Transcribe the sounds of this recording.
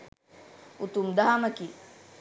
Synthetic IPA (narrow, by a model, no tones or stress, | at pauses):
ut̪umd̪aɦaməki